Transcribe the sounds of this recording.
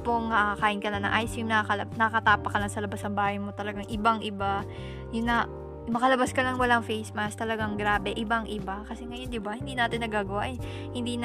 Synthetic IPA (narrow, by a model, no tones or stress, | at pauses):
poŋnɐkɐkaːʔɪnkɐnɐnɐ̰ŋʔajsimnɐɐkɐlnɐkɐt̪aːpɐkɐlaŋsɐlɐbasnɐmbaːhɐjmo̞t̪ɐlɐɡaŋʔɪbaŋʔɪba | jʊnːɐ | mɐkɐlɐbaskɐlɐŋwɐlaŋfejsmɐst̪ɐlɐɡaŋɡɾaːbɛʔɪbaŋʔɪbakɐsɛŋɐjo̞nd̪ɪbahɪnd̪iːnaːt̪ɪnːɐɡaːɡɐwaʔɛ | hɪnd̪iːn